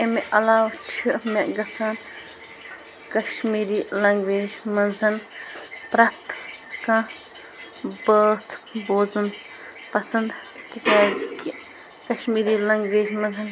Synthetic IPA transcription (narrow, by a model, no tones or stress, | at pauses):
emeʔɐlaːwt͡ʃʰimeʔɡɐt͡sʰaːn | kɐʃmiːɾiːlɐŋɡʋeːd͡ʒmɐnzɐnpɾɐt̪kã | bəːt̪ʰboːzun | pɐsɐnd̪kikaːziki | kɐʃmiːɾiːlɐŋɡʋeːd͡ʒmɐzɐn